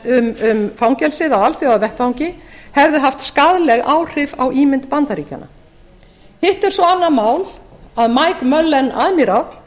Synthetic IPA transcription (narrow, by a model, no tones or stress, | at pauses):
ʏmʏmfawŋcɛlsɪðawalθjɔaðvɛht̪vawŋcɪhɛvðʏɦaft̪skaðlɛɣaːwr̥ɪvawiːmɪnt̪pant̪aɾiːca̰na̰ | hɪht̪ɛɾ̥svɔanːamaːwlaðmajkmœlːɛna̰ðmiɾawt̪l